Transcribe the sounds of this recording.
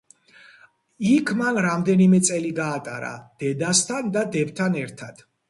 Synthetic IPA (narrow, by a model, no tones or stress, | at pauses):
ikʰmanɾamd̪ɛnimɛt̪sʼɛliɡaːt̪ʼa̰ɾa̰d̪̥ɛd̪ast̪ʰand̪ad̪ɛbt̪ʰanɛɾt̪ʰad̪̥